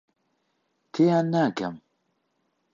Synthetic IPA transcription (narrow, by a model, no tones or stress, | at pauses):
tʰejanːaɡa̰m